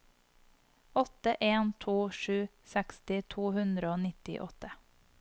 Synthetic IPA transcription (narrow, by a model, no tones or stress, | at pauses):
ɔt̪əʔeːnt̪ʰuːʃʉː | sɛkst̪ɪt̪ʰuːhʉnd̪ɾəoːnɪt̪ɪ̰ʔɔt̪ə